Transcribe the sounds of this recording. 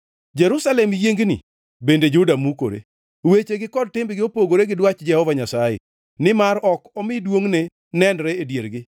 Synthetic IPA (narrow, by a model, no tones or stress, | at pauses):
d͡ʒɛɾusalɛmjeŋɡnɪ̰ | bended͡ʒudamuko̰ɾḛ | wet͡ʃeɡɪkɔd̚tɪmbɡɪopoɡoɾeɡɪdwat͡ʃd͡ʒɛhɔvaɲasajḛ | nɪmaɾɔkɔmɪdwoŋne | nɛnɾɛedjeɾɡɪ